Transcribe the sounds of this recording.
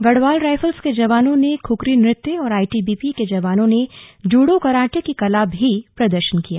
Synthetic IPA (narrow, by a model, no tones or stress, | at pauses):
ɡɐɽʋaːlɾaːɪfəlsked͡ʒɐʋaːnõnekʰʊkɾinɾɪt̪ːjəɔːɾaːiʈiːbiːpiked͡ʒɐʋaːnõned͡ʒuːɽokɐɾaːʈekikɐlaːbɦipɾɐd̪əɾʃənkijaː